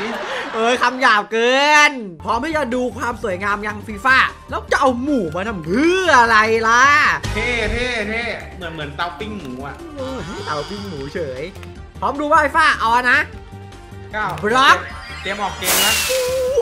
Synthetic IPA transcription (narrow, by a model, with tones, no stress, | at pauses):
ʔɤː˧jkʰa˧mjaː˨˩p̚kɤː˧npʰɾɔː˦˥mhaː˥˩t͡ɕa˧˩duː˧kʰwaː˧msu˨˩˦jŋaː˧mja˧ŋfiː˧faː˥˩lɛː˦˥wt͡ɕa˧ʔa˧wmuː˨˩˦maː˧t̪ʰa˧mpʰɯː˥˩ʔa˧ɾa˧jla˦˥t̪ʰeː˥˩t̪ʰeː˥˩t̪ʰeː˥˩ | mɯ˨˩˦nmɯ˩˦ənt̪a˧wpi˥˩ŋmuː˩˦ʔa˨˩˧ | t̪a˧wpi˥˩ŋmuː˩˦t͡ɕʰɤː˩˦j | pʰɔː˦˥mduː˧waː˥˩fi˧˥faː˥˩ʔa˧na˦˥ | a˧˥˩ɾa˦˥p̚t̪i˧əmʔɔː˨˩kkeː˧mla˦˥˧